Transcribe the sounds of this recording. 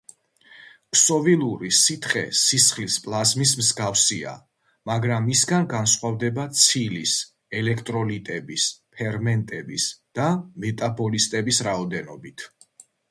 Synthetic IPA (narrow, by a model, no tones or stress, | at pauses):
kʰsɔvilˠuɾisit̪ʰχɛ̰sisχlispʼlˠazmis̬mzɡafsia̰ | maɡɾamːisɡanɡansχwavd̪ɛbat̪sʰilis | ɛlɛkʰt̪ʼɾɔlit̪ʼɛbispʰɛɾmɛnt̪ʼɛbisd̪̥amɛt̪ʼabɔlist̪ʼɛbisɾaɔd̪ɛnɔbit̪ʰ